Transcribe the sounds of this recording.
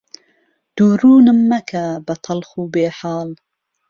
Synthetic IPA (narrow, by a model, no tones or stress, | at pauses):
d̪̥uːɾuːnɨmːɐkʰɐbɐt̪ʰɑlxuːbeːħɑːl